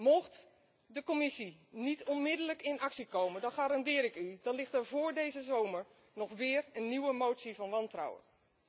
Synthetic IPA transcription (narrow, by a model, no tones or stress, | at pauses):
mɔχt | dəkɔmɪsinitɔnmɪdələkɪnɑksikowməndɑnχaːɾɑndɪːɾɪkydɑnlɪχtɛɹvʊːɹdejzəzowməɹ | nɔχʋɪːɹənːiwəmowtsivɑnʋɑntra̰wə̰n